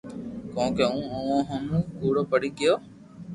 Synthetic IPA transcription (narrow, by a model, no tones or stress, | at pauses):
kõːkeːũːoʋõːɦəmkuːɽoːpəɽiːkɪjoː